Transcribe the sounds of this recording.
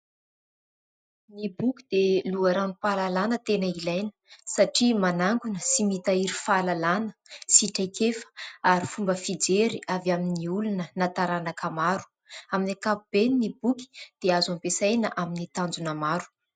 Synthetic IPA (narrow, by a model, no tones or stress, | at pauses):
nibukid̪eluaɾanupalalanət̪enəilajnə̥saʈ͡ʂimanaŋɡunəsimit̪aiɾifalalanə̥siʈ͡ʂajkefə̥aɾifumbəfid͡zeɾiʔavaminiulunənat̪aɾanakamaɾu̥ | aminakapub̥eninibuki̥d̪̥eazampesajnə̰ʔaminit̪and͡zunamaɾu̥